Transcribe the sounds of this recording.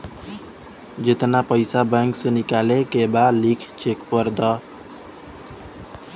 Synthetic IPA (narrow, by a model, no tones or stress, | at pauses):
d͡ʒɪt̪napəjsabɛŋksẽnikalekebalikʰt͡ʃekpʌɾd̪ʌ